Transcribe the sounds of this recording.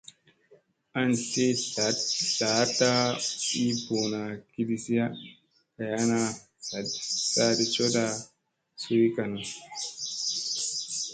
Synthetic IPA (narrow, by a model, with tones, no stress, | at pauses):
a˦nte˦ | da˨˦ta˦i˦bo˨na˨ki˦di˨si˦ja˦ | ka˨ja˦na˧ | sa˨dsa˦de˨t͡ʃo˦da˧ | su˦ɾi˦ka˨na˨